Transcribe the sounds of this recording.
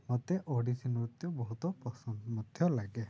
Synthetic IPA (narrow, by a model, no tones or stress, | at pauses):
mɔt̪eʔoɽisinɔɾut̪jɔbɔɦut̪ɔpɔsɔmɔd̪ʱjɔlaɡe